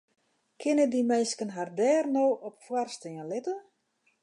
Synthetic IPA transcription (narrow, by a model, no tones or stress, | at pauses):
kʰɪnədimɛjskənɦardɛːrnoːʔɔpfwarstəənlɪtə